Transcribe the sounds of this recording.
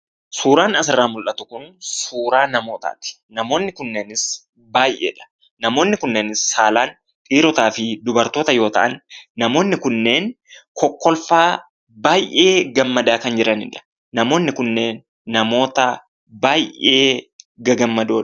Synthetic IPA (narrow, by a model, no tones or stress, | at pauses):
suːɾaːnɐsɪrːaːmʊlʔɐt̪ʊkʊnsuːɾaːnɐmo̞ːt̪a̰ːt̪ɪ̥ | nɐmo̞ːnːɪkʊnːeːnɪs | baːjʔḛːᶑɐ̥ | nɐmo̞ːnːɪkʊnːeːnɪsːaːlaːn | tʼiːɾɔt̪aːfɪd̪ʊbɐɾt̪o̞ːt̪ɐjo̞ːt̪ɐʔɐnːɐmo̞ːnːɪkʊnːe̞ːn | kʰɔkːɔlfaː | baːjʔe̞ːɡɐmːɐd̪aːkɐnd͡ʒɪɾɐnɪ̰ᶑɐ̥ː | ɐmo̞ːnːɪkʊnːe̞ːnː | ɐmo̞ːt̪ɐ | baːjʔe̞ːɡɐɡɐmːɐd̪oːᶑɐ